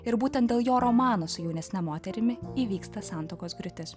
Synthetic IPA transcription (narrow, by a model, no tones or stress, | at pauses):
ɪɾbuːt̪ʲɛnt̪d̪ʲeːlˠjoːɾɔmɑːnosʊjɛʊnʲɛsʲnʲɛmoːt̪ʲɛɾʲɪmʲɪiːʋʲiːkst̪ɐsɑˑnt̪oːkoːsɡɾʲʊt̪ʲɪs